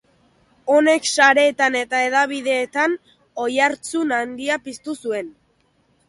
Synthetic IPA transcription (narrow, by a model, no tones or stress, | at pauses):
o̞ne̞ksaɾe̞ːt̪ane̞t̪aeð̞aβ̞iðe̞ːt̪an | o̞jaɾt͡sunand̪iapist̪usue̞n